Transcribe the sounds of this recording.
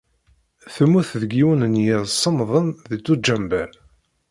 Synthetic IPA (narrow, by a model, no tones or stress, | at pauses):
θəmːuθðɡiwənənjɪðsˤːəmðˤənðit͡sːud͡ʒæmbæ